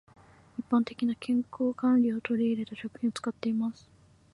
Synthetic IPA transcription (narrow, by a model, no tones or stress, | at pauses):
ipːãnt̪e̞̥kʲinakʰẽ̞ŋko̞ːkãnɾʲiot̪o̞ɾʲiːɾe̞t̪aɕo̞kɯ̟̥hĩot͡sɨ̥kat̪ːe̞imasɨ̥